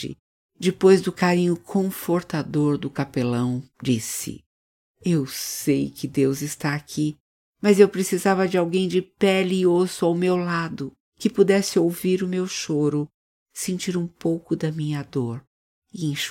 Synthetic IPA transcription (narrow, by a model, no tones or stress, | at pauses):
ɪ̰ | d͡ʒɪpojzd̪ʊkaɾĩɲʊkʰõfoɾt̪ad̪oɾd̪ʊkapelɐ̃w̃d͡ʒisɪ̰ | ewsejkɪd̪ewzɪst̪aːkʰi | mɐzewpɾesizavɐd͡ʒɪawɡẽj̃d͡ʒɪpɛlːosʊawmewlad̪ʊ | kɪpud̪ɛsɪowviɾʊmewʃoɾʊ | sẽnt͡ʃiɾũpowkʊd̪ɐmĩɲɐd̪oɾ | ɪẽʃ